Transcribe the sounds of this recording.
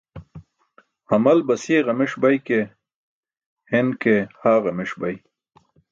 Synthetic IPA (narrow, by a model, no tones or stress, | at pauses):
hɐmɐlbɐseːɣɐmɪʂbajke | hɪnkehaːɣɐmɪʂbaj